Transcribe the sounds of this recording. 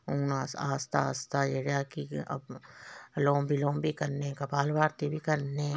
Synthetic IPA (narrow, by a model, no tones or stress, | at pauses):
uːnasaːst̪a̰st̪ajeɽjaːkiɐ̰b | lõːbʱilõːbʱikɐɾnẽkɐpaːlʋaːɾt̪ebʱikɐɾne